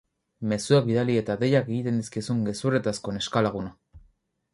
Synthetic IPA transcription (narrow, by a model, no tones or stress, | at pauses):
me̞suabiðalie̞t̪aðe̞jakeɣit̪e̞nd̪iskisuŋɡe̞suret̪asko̞ne̞skalaɣ̞una